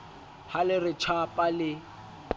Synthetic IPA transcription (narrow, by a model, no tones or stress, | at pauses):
halɪrɪt͡ʃʰapʼalɪ